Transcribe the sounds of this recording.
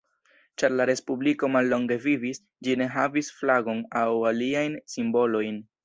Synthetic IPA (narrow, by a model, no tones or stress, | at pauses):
t͡ʃaɾlaɾe̞spubliko̞malːo̞ŋɡe̞vivis | d͡ʒine̞ɦavisflaɡo̞nawaliajnsimbo̞lo̞jn